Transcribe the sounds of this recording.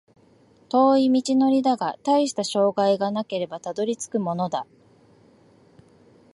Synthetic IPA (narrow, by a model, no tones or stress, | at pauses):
t̪o̞ːimʲit͡ɕino̞ɾʲid̪aɡat̪aiɕi̥t̪aɕo̞ːɡaiɡanake̞ɾe̞bat̪ad̪o̞ɾʲit͡sɨ̥kɯ̟mo̞no̞d̪a